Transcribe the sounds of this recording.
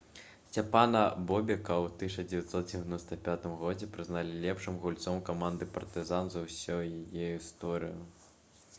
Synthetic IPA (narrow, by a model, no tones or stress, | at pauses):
sʲt͡sʲapanɐbɔbʲɛkɐwt̪ɨʂɐd͡zʲɛvʲat̪sɔt̪̚d͡zʲɛvʲanɔst̪ɐpʲat̪ɨmɣɔd͡zʲɛpɾɨznalʲilʲɛpʂɨmɣulʲt̪sɔmkamand̪ɨpɐrt̪ɨzanzɐwsʲɔjajɛist̪ɔɾɨju